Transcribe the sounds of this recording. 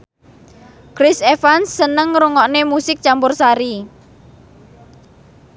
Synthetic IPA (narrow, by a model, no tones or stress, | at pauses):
kɾɪsefansːənəŋɾuŋɔʔnemusɪk̚t͡ʃampʊrsaɾi